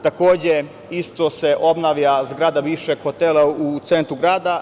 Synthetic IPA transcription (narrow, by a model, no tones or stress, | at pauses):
t̪ako̞ːd͡ʑe | ist̪o̞se̞ʔo̞bnaʋʎazɡɾaːd̪abiːʋʃeɡ̥xo̞t̪eːlaut̪se̞nt̪ɾuɡɾaːd̪a